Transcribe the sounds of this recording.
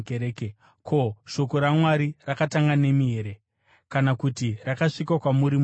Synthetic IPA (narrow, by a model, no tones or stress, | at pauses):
keɾeːke | kʰo̞ʃo̞ko̞ɾamwaɾirakataŋɡane̞miɦe̞ɾe̞ | kanakutirakaʂikwakwamuɾim